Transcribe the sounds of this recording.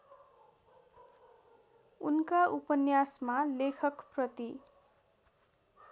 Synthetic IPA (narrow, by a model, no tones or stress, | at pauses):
unkaʔupʌnjasmalekʰʌkprʌt̪i